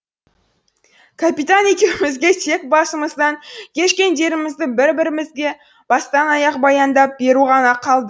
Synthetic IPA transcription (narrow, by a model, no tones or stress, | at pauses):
kʰapijt̪ane̞kʲe̞wɪmɪzɡʲe̞t̪ʰe̞k̚bɑsəməzd̪ɑŋkʲʰe̞ʃkʲe̞nd̪e̞ɾɪmɪzd̪ɪbɪɾbɪɾɪmɪzɡʲe̞ | b̥ɑst̪ɑnɑjɑq̚bɑjɑnd̪ɑp̚be̞ɾuʁɑnɑqʰɑlˠd̪ə